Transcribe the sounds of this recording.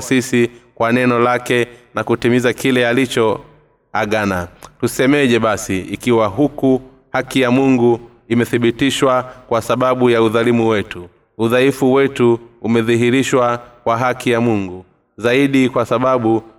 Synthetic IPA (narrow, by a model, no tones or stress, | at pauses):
sisikwanɛnɔlakɛnakutimizakilɛalit͡ʃɔ | aɠanatusɛmɛʄɛɓasiikiwaɦuku | hakijamuŋɡu | imɛθiɓitiʃwakwasaɓaɓujauðalimuwɛtu | uðaifuwɛtuumɛðiɦiɾiʃwakwaɦakijamuŋɡu | zaiɗikwasaɓaɓu